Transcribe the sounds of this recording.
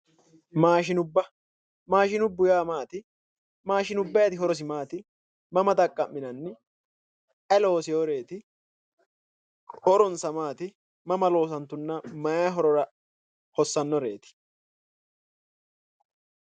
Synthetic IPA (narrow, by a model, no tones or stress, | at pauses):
maːʃɪnʊbːɐ | maːʃɪnʊbːʊjaːmaːt̪ɪ | maːʃɪnʊbːɐjɐt̪ɪɦɔɾɔs̬ɪmaːt̪ɪ | mɐmɐt̪ɐkʼːɐmːɪnɐnːɪ | ɛlo̞ːsɪjoːɾe̞ːt̪ɪ | hɔɾɔnsɐmaːt̪ɪ | mɐmɐlo̞ːs̬ɐnt̪ːʊnːɐmɐjaːɦɔɾɔɾɐ | hɔsːɐnːɔɾe̞ːt̪ɪ̥